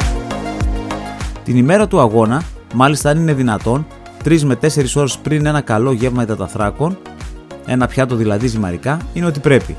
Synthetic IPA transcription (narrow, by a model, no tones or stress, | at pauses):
t̪inime̞ɾɐt̪uɐɣo̞nɐ | mɐlist̪ɐːnine̞ðinɐt̪o̞n | t̪ɾizme̞t̪e̞se̞ɾiso̞ɾe̞spɾine̞nɐkɐlo̞ʝe̞vmɐet̪ɐt̪ɐθɾɐko̞n | e̞̰nɐpçɐt̪̬o̞ðilɐðisimɐ̰ɾikɐine̞o̞t̪ipɾe̞pḭ